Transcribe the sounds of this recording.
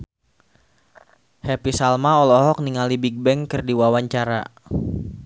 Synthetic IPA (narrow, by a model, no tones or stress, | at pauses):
hɛpisalmaɔlɔɦɔk̚niŋalibiɡ̚bɛŋkɨrdiwawaɲt͡ʃaɾa̰